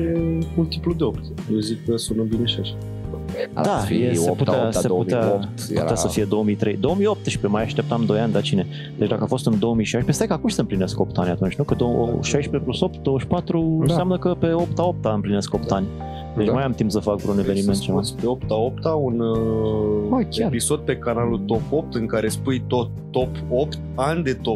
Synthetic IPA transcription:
emult̪iplud̪eopt̪ | jezikːəsunɨbineʃaʃ | d̪aijeseput̪aseput̪eat̪pṵt̪easəfije̞d̪o̞omit̪ɾe̞jd̪o̞omijo̞p̚t̪ʃpemajaʃt̪e̞p̚t̪amd̪o̞janʲd̪at͡ʃine̞ | d̪et͡ʃʲd̪akəafo̞st̪ɨnd̪o̞wəmijʃajʃpest̪ajkəakumʃsəɨmplinesko̞p̚t̪anʲat̪unt͡ʃʲnukəd̪oo̰ʃajʃpe̞pluso̞p̚t̪̚d̪owəʃpat̪ɾuɨnsamnəkəpe̞o̞p̚t̪ao̞p̚t̪aɨmpline̞sko̞p̚t̪anʲ | d̪et͡ʃmajamt̪impsəfakvɾune̞vve̞niment̪̚t͡ʃemaspeopt̪aopt̪aun | akʲeaɾpiso̞d̪̚pe̞kanalult̪o̞pop̚t̪ɨŋkaɾe̞spujt̪ot̪ː | op | opt̪anʲd̪e̞t̪o

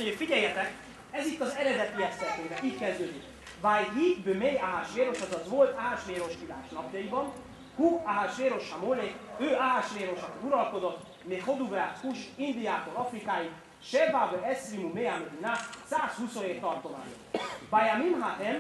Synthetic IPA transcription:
oɲofiɟɛjːɛt̪ɛk | ɛzit̪ːɒzɛɾɛd̪ɛt̪yɛst̪ɛnt̪eːvɛiːckɛzd̪øːd̪ik | vajɦib̪ømejaɦaʃʋeːɾo̞ʃɒzɒzʋo̞lt̪aːaʃʋeːɾo̞ʃkila̰ːʃnɒpjɒjibɒn | hukaɦaʃʋeːɾo̞ʃamoːnekøːʔaɦaʃʋeːɾo̞ʃɒk̪iuɾɒlko̞d̪o̞t̪ː | meχo̞d̪uvɾat̪kuʃind̪ijaːt̪oɾɒfrikaːji | ʃɛrbavøɛsrimumeamed̪inasaːshuso̞neːt̪ɒrt̪oma̰ːɲo | bajamimɦatɛn

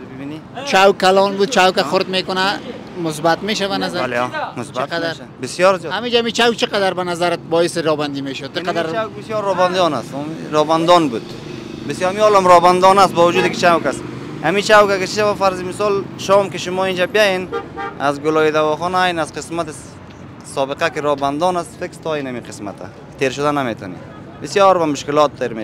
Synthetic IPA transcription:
bbinit͡ʃʰawkːalɔnbud̪̚t͡ʃawkaxʊɾt̪mekʊna | mʊs̬bat̪meʃavanazalmʊsbqad̪aɾ | bɪsjɔɾzijɔhamid͡ʒaamit͡ʃawk̚t͡ʃʰɪqad̪aɾbanazaɾɪt̪̚bɔisiɾɔband̪imeʃʊd̪̚t͡ʃʰɪqad̪aɾt͡ʃwkbisjɔɾɔband̪ɔna̰smiɾɔband̪ɔnbud̪ | bisjamiɔlɔmɾɔband̪ɔnast̪̚bɔvʊd͡ʒuːd̪ikit͡ʃʰawkast̪ | hamit͡ʃawkakit͡ʃʰiʃabafaɾzimɪsɔlʃɔmkiʃʊmɔind͡ʒabijajena̰zɡʊlɔːid̪awɔχɔnajnazqɪsmat̪i | sɔːbɪqakiɾɔband̪ɔnast̪fekst̪ʰɔinamiqʰɪ̥sma̰t̪ʰa̰ | t̪ʰeɾʃʊd̪anamet̪ʰɔ̰nḭ | bɪsjɔɾbamʊʃkɪlɔt̪̚t̪eɾme

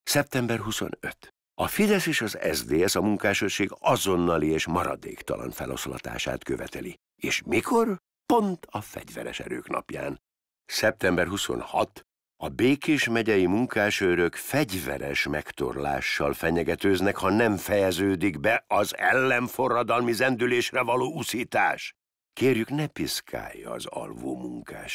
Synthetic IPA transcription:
sɛp̚t̪ɛmbɛrɦuso̞̰nøt̪ | ɒfid̪ɛseːʃɒzɛ̰zd̪eːɛsɒmuŋkaːʃøʃeːɡɒzo̞nːɒlieːʃmɒɾɒ̰d̪ḛːkt̪ɒ̰lɒ̰nfɛlo̰slɒ̰t̪a̰ːʃa̰ːt̪køvɛt̪ɛli | eːʃmikʰo̞r | po̞nt̪ʰɒfɛ̰ɟvɛɾɛ̰ʃɛ̰ɾø̰ːknɒ̰pja̰ːn | sɛp̚t̪ɛmbɛrɦuso̞̰nhɒt̪ | ɒbeːkeːʃmɛɟɛjimuŋkaːʃøɾøkfɛɟvɛ̰ɾɛʃmɛkt̪o̞̰rla̰ːʃːɒlfɛɲɛɡɛt̪øːznɛkhɒnɛɱfɛjɛzøːd̪iɡbɛɒzɛ̰lːɛɱfo̞rːɒd̪ɒlmizɛnd̪yleːʃrɛvɒloːusiːt̪a̰ːʃ | keːrjyknɛpiskʰa̰ːjːɒ̰ːzɒ̰lvoːmuŋkaːʃ

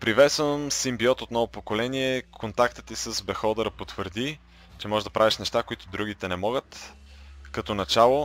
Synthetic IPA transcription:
pɾivɛt̪svəmsimbiɔt̪ot̪nɔvopokolɛniɛkʰont̪akt̪ət̪isəzbɛxɔd̪ɐɾəpot̪vəɾd̪i | t͡ʃɛmɔʒɛd̪ɐpɾaviʃnɛʃt̪akoit̪ʊd̪ɾuɡ̟it̪ɛnɛmɔɡət̪ | kɐt̪ɔnɐt͡ʃalˠo

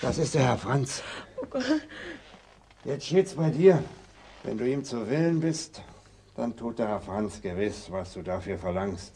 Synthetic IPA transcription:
d̥asɪst̚d̥eːɐhɛɐfʁ̥ant͡soɡ̥ | jɛt͡stʃteːtsb̥aɪdiːɐ | vɛ̰nduːiːmt͡suvɪlənbɪst | d̥a̰ntʰuːtd̥eːɐhɛɐfʁ̥ant͡sɡ̥əvɪsvasd̥uːdafyːɐfɛɐlaŋst

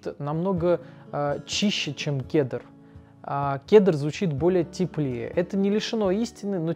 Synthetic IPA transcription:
t̪nɐmno̞ɡə | t͡ɕiɕːɪt͡ɕemkʲed̪ər | akʲed̪ərzvʊt͡ɕit̪bo̞lʲɪjətʲɪplʲɪjə̰ʔɛt̪ənʲɪlʲɪʂɨno̞isʲtʲɪnːɨno

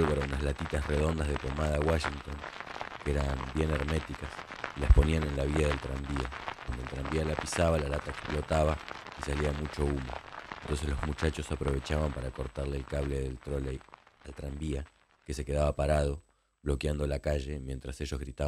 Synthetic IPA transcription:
lβoɾaunaslat̪it̪asre̞ð̞o̞nd̪azð̞e̞pomaðaːwaʃint̪o̞ŋkeɾambje̞neɾme̞t̪ikasilaspo̞niane̞nlaβiaðelt̪ɾambiakwand̪oelt̪ɾambialapisaβalalat̪aeksplo̞t̪aβaisaliamut͡ʃo̞umo̰eent̪o̞ns̬e̞slo̞zmut͡ʃat͡ʃo̞sapɾo̞βe̞t͡ʃaβampaɾako̞ɾt̪aɾleːlkaβle̞ðelt̪ɾo̞lealt̪ɾambia | ke̞se̞ke̞ðaβapaɾað̞o̞ | βlo̞kjand̪olakaʒe̞mje̞nt̪ɾase̞ʒo̞zɣɾit̪a

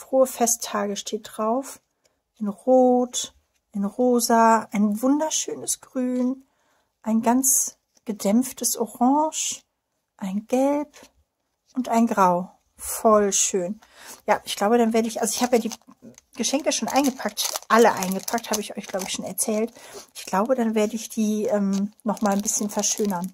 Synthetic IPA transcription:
fʁ̥oːəfɛstʰːaːɡəʃtʰeːt̚d̥ʁaʊf | ʔɪnʁoːt | ʔaɪnʁoːzaʔaɪnvʊndɐʃøːnəsɡ̥ʁyːn | ʔaɪnɡant͡s | ɡ̥ədɛmftʰəsʔoʁɑ̃ŋʃ | ʔaɪnɡɛlp | ʔʊntʔaɪnɡʁaʊ | fɔlʃøːn | jaːʔɪçɡ̥laʊbəɾanveːɐɾəɪçʔalzoɪçhaːbəjaːdiːɡ̥əʃɛŋkəʃoːnʔa̰ɪnɡəpʰak̚tʔaləʔa̰ɪnɡəpʰak̚thaːbəɪçʔɔ̰ʏçɡ̥laʊbəɪçʃoːnɛɐt͡sɛːltʔɪçɡ̥laʊbədanveːɐdəɪçd̥iːʔɛːmnɔχmaːlnbɪsçənfɛɐʃøːnɐn

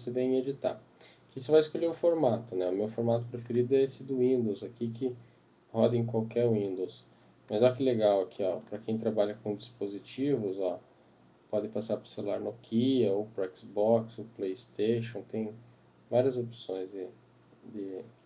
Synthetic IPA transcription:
osevẽj̃ed͡ʒit̪a̰ | kɪisʊvajɪskoʎeʊfoɾmat̪ʊnɛʊmewfoɾmat̪ʊpɾefeɾid̪ʊɛesɪd̪ʊwĩnd̪owzakikɪ | hɔd̪ɐẽkwawkɛɾʊĩnd̪ows | mɐzɔkɪleɡawakʰiɔpɾɐkẽj̃t̪ɾabaʎɐkõd͡ʒispozit͡ʃivʊzɔ | pɔd̪ɪ̃pasaɾpʊɾselula̰ɾnokʰiɐopɾaɛksbɔksoplejist̪eʃõt̪ẽj̃ | vaɾiɐzopsõj̃zd̪ɪ | d̪ɪ

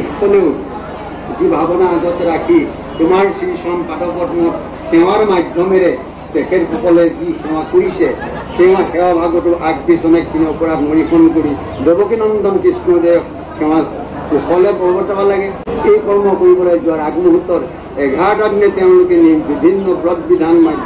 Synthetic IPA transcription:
pɔne | d͡ʒibʱabɔnaːd͡ʒɔt̪eɾakʰi | t̪umaɾsiisampaʈɔpɔɾnɔɾ | kew̃aɾɔmad̪ʱjɔmeɾe | sekʰeɾkukɔled͡ʒikʰew̃akuɾise | kew̃ãkʰewabʱaɡɔʈuʔak̚bisɔnek̚d̪ʱineɔpɔɾat̪mɔɾipʰɔnkɔɽi | d͡ʒɔbɔkinɔnt̪ɔmkismɔɾe | kʰew̃a | kukɔlebɔbɔt̪ɔbalaɡeejkɔɾmɔkɔɾibɔɭed͡ʒuaɾaɡmuɦut̪ːɔɾ | eɡʱaʈaɡnet̪eʊ̃lokenibibʱinːɔbɾɔd̪bid̪ʱanma

